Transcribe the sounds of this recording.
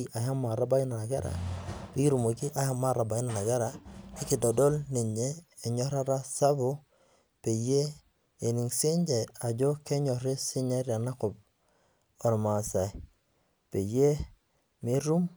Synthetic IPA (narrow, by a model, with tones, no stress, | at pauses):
iʔa˨ja˦ma˨ɾa˦ba˦i˦na˨na˨ɡɛ˦ɾa̰˨bi˦i˦ɾu˨mo˨ki˦ʔa˨ha˦ma˦ɾa˨ba˨i˦na˨na˨ɡɛ˦ɾa˨ɪ˦ki˨dɔ˨dɔ˦lne˨ɲeː˦˨ɲɔ˦ɾa˦ɾa˦sa˦bʊ˦ | pe˨je˦ | e˨ni˨ŋse˦ɲd͡ʒe˨a˨d͡ʒo˦ke˦ɲɔ˨ɾe˦sɪ˦ɲa˦ɾja˨na˦kʊ˨b̚ | ɔ˨ɾma˨sa˨j | pe˨je˦ | mɪ˦ɾu˦m